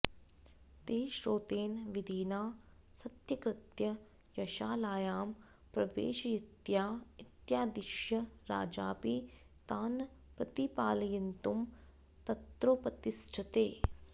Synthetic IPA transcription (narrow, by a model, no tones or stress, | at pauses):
t̪eːʃɾoːt̪eːnʋɪd̪ʱiːnaː | sɐt̪jɐkɾɪt̪jɐ | jɐʃaːlaːjaːm | pɾɐʋḛːʃjɪt̪jaːɪt̪jaːd̪ɪʃjɐɾa̰ːd͡ʒa̰ːpiː | t̪aːn | pɾɐt̪ipaːlɐjɐnt̪um | t̪ɐt̪ɾoːpɐt̪ɪsʈʰɐt̪eː